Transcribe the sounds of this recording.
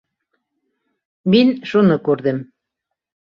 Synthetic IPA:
minʃunɤ̆kuɾðɘ̆m

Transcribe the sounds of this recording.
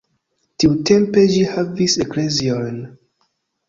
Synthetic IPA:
tiwtʰẽmpeʃihaviseklezion

